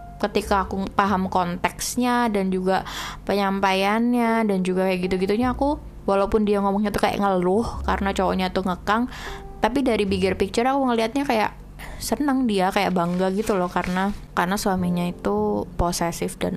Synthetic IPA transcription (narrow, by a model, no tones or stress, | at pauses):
kət̪ikaːkupaɦamkont̪ɛksɲadand͡ʒuɡapəɲampajanɲadand͡ʒuɡakajaʔɡit̪uɡit̪uɲaːku | walaupʊndiaŋɔmɔŋɲat̪ukaja̰ʔŋəlʊhka̰ɾənat͡ʃowo̰ɲait̪uŋəkaŋ | t̪apidaɾibiɡɪrpik̚t͡ʃɪɾakuŋəliɦat̪̚ɲakaja̰ʔ | sənəŋdiakaja̰ʔbaŋɡaɡit̪ulɔhkaɾənakarnaswamiɲait̪uposɛsɪfda̰n